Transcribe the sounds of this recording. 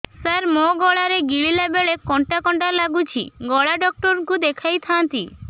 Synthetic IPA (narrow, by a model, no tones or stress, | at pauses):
saɾmoɡɔɭaɾeɡiɭilabeɭekɔɳʈakɔɳʈalaɡut͡ɕʰḭɡɔɭaɖɔk̚ʈɔɾkud̪ekʰajt̪ʰant̪i